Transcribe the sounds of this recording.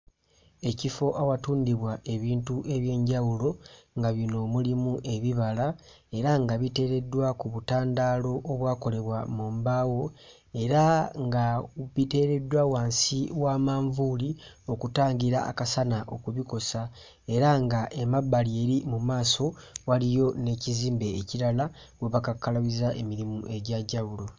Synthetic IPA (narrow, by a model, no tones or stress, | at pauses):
e̞cifo̞ʔawatuːndiβwaʔe̞βiːntuʔe̞βje̞ːɲɟawulo̞ŋɡaβino̞mulimuʔe̞βiβala | e̞ɾaŋɡaβite̞ːɾe̞dːwakuβutaːndalo̞ʔːβwaːko̞le̞βwamoːmbaːwo̞ | e̞ɾaŋɡaβite̞ːɾe̞dːwawaːnsiwaːmaːɱvuli | o̞kutaːɲɟiɾaa̰kasanaʔo̞kuβiko̞sa | e̞ɾaŋɡaʔemabːalie̞ɾimumaːso̞walijo̞ne̞ːciziːmbe̞ːciɾala | ɡweβakakːalaβizaʔe̞miɾimuʔe̞ɟaɟaulo̞